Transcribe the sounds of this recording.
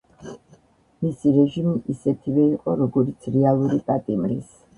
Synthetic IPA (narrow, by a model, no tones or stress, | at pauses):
misiɾɛʒimiʔisɛt̪ʰivɛiqʼɔɾɔɡɔɾit̪sʰɾɛalˠuɾipʼat̪ʼimɾis